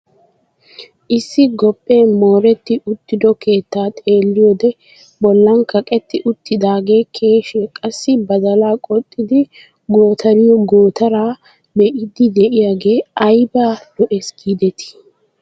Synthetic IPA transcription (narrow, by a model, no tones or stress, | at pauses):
ʔɪsːɪɡɔpʼːeːmo̞ːɾɛt̪ːɪʔʊt̪ːɪd̪ɔkʰe̞ːt̪ːaːt̪ʼe̞ːlːɪjoːd̪ɛ | bɔlːɐnkʰɐkʼɛt̪ːɪʔʊt̪ːɪd̪aːɡe̞ːkʰeːʃɛkʼɐsːɪbɐd̪ɐlaːkʼɔt̪ʼːɪd̪ɪ | ɡo̞ːt̪ɐɾɪjɔɡoːt̪ɐɾaː | bɛʔɪd̪ɪd̪ɛʔɪjaːɡe̞ːɐjbaːd̪̥ɔʔɛsɡ̥iːd̪ɛt̪ʰɪ̥